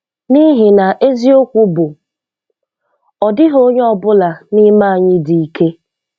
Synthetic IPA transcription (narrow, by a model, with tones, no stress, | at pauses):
ni˦ɦɪ˨na˨ʔe˦zi˦o˦kʷu˦bʊ˨ | ɔ˨dɪ˦ɦo˦ɲe˦ɔ˨bʊ˦la˨nɪ˦ma˦a˨ɲɪ˦di˨i˦˨ke˦